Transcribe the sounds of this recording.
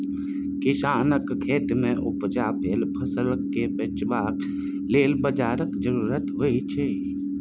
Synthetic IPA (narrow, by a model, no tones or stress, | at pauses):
kɪʃaːnəkkʰeːt̪mẽʔʊpd͡ʒaːpʰeːlpʰəsələkːepet͡ʃbaːk | leːlbəd͡ʒaːɾəkd͡ʒəɾuːɾət̪ɦoit͡ʃʰeː